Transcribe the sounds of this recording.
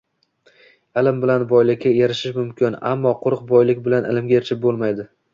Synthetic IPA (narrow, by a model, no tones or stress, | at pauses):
ɪlɪmbɪlanbɒjlɪkʲːajaɾɪʃɪʃmʊmkʲɪna̰mːɒqʰʊɾq̚bɒjlɪkʲbɪlanʔɪ̰lɪmɡʲaeɾɪt͡ʃʰɪp̚bolˠmajd̪ɪ